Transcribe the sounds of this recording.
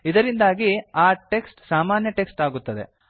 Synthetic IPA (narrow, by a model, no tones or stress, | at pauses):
id̪ɐɾind̪aːɡiaːʈe̞ksʈsaːmaːnjɐʈe̞ksʈaːɡut̪ːɐd̪e̞̰